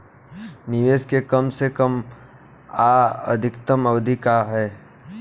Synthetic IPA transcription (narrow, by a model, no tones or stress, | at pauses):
nɪʋeːskekɐmsekəm | aə̰d̪ʱɪkt̪əmɐʋd̪ʱɪkaɦɛː